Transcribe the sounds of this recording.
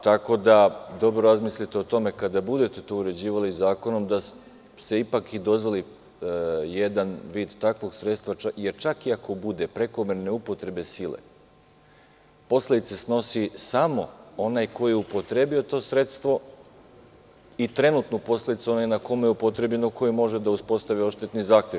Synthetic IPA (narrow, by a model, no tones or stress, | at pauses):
t̪ako̞d̪ad̪o̞bɾoɾazmislit̪eo̞t̪o̞me̞kad̪abud̪e̞t̪et̪o̞ːuɾe̞d͡ʑiːʋalizaːko̞no̞md̪a | st̪eipakid̪o̞zʋoli | jed̪anʋiːd̪t̪akʋo̞ɡsɾet̪st̪ʋaaje̞ɾt͡ʃakiakʰo̞bud̪e̞pɾe̞ko̞meɾne̞upo̞t̪ɾe̞be̞silḛ | po̞slˠed̪it̪sesno̞sisamo̞o̞najko̞jijeupo̞t̪ɾe̞bio̞t̪o̞ːsɾe̞t̪st̪ʋo̞ | it̪ɾe̞nut̪nopo̞sled̪it̪suo̞najnako̞mejeupo̞t̪ɾe̞bʎe̞noko̞jemo̞ʒed̪auspo̞st̪aʋio̞ʃt̪et̪nizaːxt̪je